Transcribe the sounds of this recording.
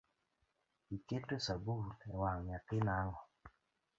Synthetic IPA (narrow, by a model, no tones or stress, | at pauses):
iketosabulɛwaŋjapɪnaŋɔ